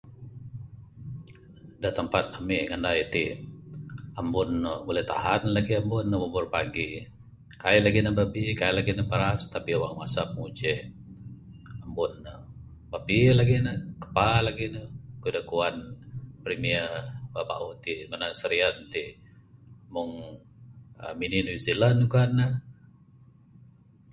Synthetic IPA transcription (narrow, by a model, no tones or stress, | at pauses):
dat̪əmpat̪̚amiʔŋandajt̪i | ambʊnːəbulɛht̪a̰hanlaɡiambʊnːəbəbʊrpaɡi | kajlaɡinəbabikajlaɡinəpəɾast̪apiowaŋmasap̚əŋud͡ʒɛ | ambʊnːə | babilaɡinəkə̥palaɡinəkudəkuanpɾimiəbapa̰ʔut̪imanasəɾiant̪i | mʊŋ | ə̰mininuizilənukanːə